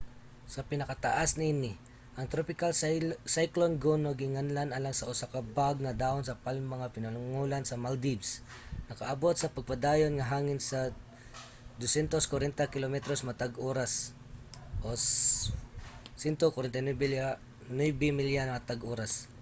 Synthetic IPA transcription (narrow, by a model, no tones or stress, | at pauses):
sɐpɪnɐkat̪a̰ʔasniɪnɪ | ʔɐŋt̪ɾopɪkalsajklonɡonoɡɪŋanlanalaŋsɐʔʊsakabaɡ̚nɐd̪aːʔonsɐpalmɐŋapɪnɐlʊŋulansɐmald̪ibs | nɐkaʔɐbot̪̚sɐpɐɡ̚pɐd̪aːjonŋɐɦaːŋɪnsɐ | d̪osɛnt̪oskwaɾɛnt̪akɪlomɛt̪ɾosmɐt̪aɡʔoːɾas | ʔos | sɛnt̪okwaɾɛnt̪ajnwɛbɛ | nwɛbɛmɪljanmat̪aɡʔoːɾas